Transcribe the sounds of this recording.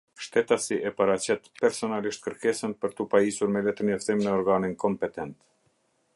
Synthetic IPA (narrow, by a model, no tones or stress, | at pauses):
ʃt̪ɛt̪asiʔɛpaɾat͡ɕɛt̪pɛɾsɔnaliʃt̪̚kəɾkɛsənpəɾt̪upaisuɾmɛlɛt̪ənjaft̪imnɛɔɾɡaninkɔmpɛt̪ɛnt̪